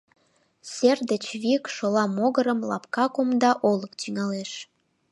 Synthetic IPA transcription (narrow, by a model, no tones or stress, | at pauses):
sʲerd̪ət͡ɕβikʃolɑmoɣəɾəmlɑ̰pkɑkomd̪ɑʔoləkt̪yŋɑleʃ